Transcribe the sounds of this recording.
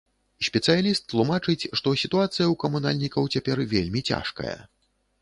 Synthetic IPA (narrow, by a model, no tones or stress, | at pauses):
sʲpʲɛt̪sɨjalʲist̪ːlˠumat͡ʂɨt͡sʲʂt̪ɔsʲit̪uat̪sɨjɐwkɐmuna̰lʲnʲikɐwt͡sʲapʲɛrvʲelʲmʲit͡sʲa̰ʂkɐ̰jɐ̰